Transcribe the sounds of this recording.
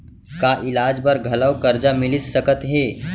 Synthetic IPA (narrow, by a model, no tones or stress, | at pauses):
kaʔɪlaːd͡ʒbɐɾɡʱɐləwkɐɾd͡ʒamɪlɪsːəkət̪ɦeː